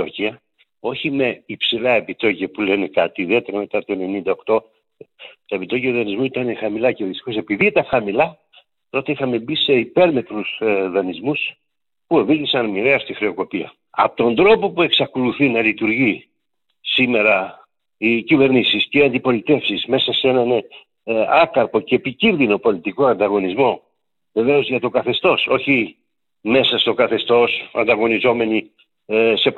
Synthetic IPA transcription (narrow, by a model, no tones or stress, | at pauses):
ociɐ | o̞çime̞ipsilɐe̞pit̪o̞ciɐpule̞nekɐt̪iːðie̞t̪e̞ɾɐme̞t̪ɐt̪oene̞nind̪ɐo̞kt̪o̞ | t̪ɐepit̪o̞ciɐuðɐnizmuit̪ɐnexɐmilɐceðist̪i̥xo̞se̞piðit̪ɐxɐmilɐ | t̪o̞t̪e̞ixɐme̞bise̞ipe̞ɾme̞t̪ɾusðɐnizmus | pue̞vilisɐnmiɾeɐst̪ixɾeo̞ko̞piɐ̰ | ɐ̰po̥t̪o̞nd̪ɾo̞po̞pue̞ksɐko̞luθinɐlit̪uɾʝi | sime̞ɾɐ | icive̞ɾnisisceiɐnd̪ipo̞lit̪e̞fsisme̞sɐsee̞nɐn | ɐkɐɾpo̞ceːpicinðino̞po̞lit̪ikoɐnd̪ɐɣo̞nizmo̞ | ve̞ve̞o̞zʝɐt̪o̞kɐθe̞st̪o̞so̞çi | me̞sɐst̪o̞kɐθe̞st̪o̞sɐ̰nd̪ɐɣo̞nizo̞me̞ni | se̞